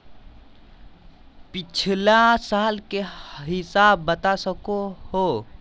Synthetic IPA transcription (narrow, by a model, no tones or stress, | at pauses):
pɪt͡ʃʰlasaːlkeɦɪsaːbːət̪asəkoho